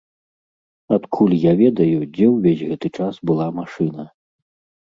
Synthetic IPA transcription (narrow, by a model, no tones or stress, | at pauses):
at̪kʰulʲjavʲɛd̪ɐjud͡zʲɛwvʲezʲɣɛt̪ɨt͡ʂasbɨlˠamaʂɨnɐ